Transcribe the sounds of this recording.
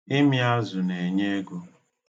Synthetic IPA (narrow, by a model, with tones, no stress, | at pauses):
ɪ˦mi˦a˦zʊ˨ne˨ɲe˦ɡo˦